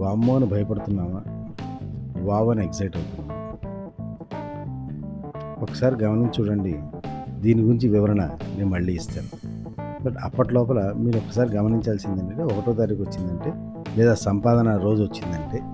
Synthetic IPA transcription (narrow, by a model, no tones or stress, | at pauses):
ʋaːmːoːnibʱɐjɐpɐɽut̪unːaːʋaː | ʋaːʋɐneɡzɐjʈɐwt̪und̪i | ɔkːɐ̥saːɾiɡɐmɐniɲt͡ʃuːɽɐɳɖid̪iːniɡuɾiɲt͡ʃiʋiʋɐɾɐɳɐmeːmumɐɭːiːst̪aːnu | bɐʈɐpːɐʈɐlɔːpɐlɐmiːɾuɔkːɐ̥saːɾiɡɐmɐniɲt͡ʃaːlsind̪ɐɳʈeːɔkɐʈoːt̪aːɾikʋɐt͡ʃːind̪ɐɳʈe̞ː | lɛːd̪aːsɐmpaːd̪ɐnɐɾo̞ːd͡ʒuʋɐt͡ʃːind̪ɐɳʈe̞ː